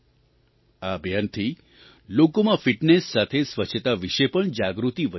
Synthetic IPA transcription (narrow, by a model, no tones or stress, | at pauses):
abʱjant̪ʰi | lokomãfiʈnesːat̪ʰesʋət͡ʃʰət̪aʋiʃepəɳd͡ʒaɡɾut̪iʋə